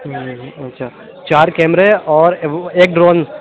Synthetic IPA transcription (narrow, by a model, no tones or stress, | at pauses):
ɐtːʃʰaː | t͡ʃaːɾkɛːmɾeɔːɾeːk̚ɖɾoːn